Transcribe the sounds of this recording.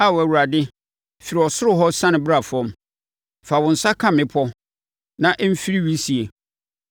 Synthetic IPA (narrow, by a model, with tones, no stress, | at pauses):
a˦˨wɔ˨æ˨wu˨ɾa˨dɪ˦ | fi˨ɾi˨ɔ˨sʊ˦ɾʊ˦ɦɔ˦sã˦nɪ̃˨bɾa˨fʊ˨ɔ̃˨˦m | fa˨wʊ̃˨n̩˨sa˦kʰã˦mɪ̃˦pʰɔ˦ | nã˨ʔm̩˦fi˦ɾi˦wi˦si˨e˨